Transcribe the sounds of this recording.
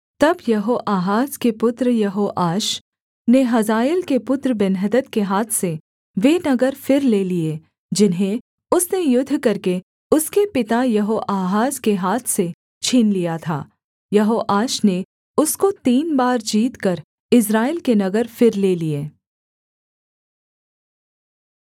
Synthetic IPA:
t̪ɐbjɐɦoːʔaːɦaːzkepʊt̪ɾjɐɦoːʔaːʃ | neɦɐzaːɪlkepʊt̪ɾbɛnɦəd̪ət̪keɦaːt̪ʰse | ʋeːnɐɡəɾfɪɾleːlie | d͡ʒɪnɦẽ | ʊsnejʊd̪ʱːkɐɾke | ʊskepɪt̪ajɐɦoːʔaːɦaːzkeɦaːt̪ʰse | t͡ʃʰiːnlijat̪ʰa̰ː | jɐɦoːʔaːʃne | ʊskot̪iːnbaːɾd͡ʒiːt̪kɐɾ | ɪs̬ɾaːɪlkenɐɡəɾfɪɾleːlieː

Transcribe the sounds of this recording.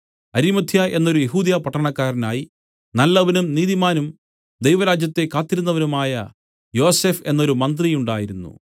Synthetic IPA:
ɐɾimɐt̪ʰjaʔe̞nːo̞ɾujeɦuːd̪jaːpɐʈːɐɳɐkːaːɾɐnaːji | nɐlːɐʋɐnumniːðimaːnum | d̪ejʋɐɾaːd͡ʑjɐt̪ːe̞kːaːt̪ːiɾunːɐʋɐnumaːjɐ | jo̞ːse̞ːfe̞nːo̞ɾumɐnd̪rijuɳɖaːjiɾunːṵ

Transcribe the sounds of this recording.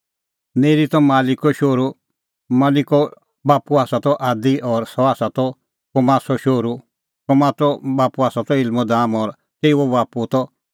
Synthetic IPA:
neːɾit̪ɔmaːlɪkɔʃoːɾu | maːlɪkɔ | baːpuaːsat̪ɔʔaːd̪iʔɔːɾsɔaːsat̪ɔ | kɔmaːsɔʃoːɾu | kɔmaːt̪ɔbaːpuaːsat̪ɔɪlmɔd̪aːmɔːɾ | t̪eːɔbaːput̪ɔ

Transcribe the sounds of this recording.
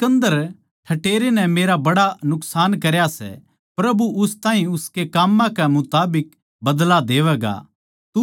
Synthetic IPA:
kɐ̃nd̪əɾ | ʈʰɐʈeːɾenɛmeːɾabɐɽanʊksaːnkɐɾjasɛ̰ | pɾɐbuʊst̪ãːɦĩʊskekaːmːãkɛmʊt̪aːbɪk̚ | bɐd̪lad̪eːʋɛːɡa̰ | t̪u

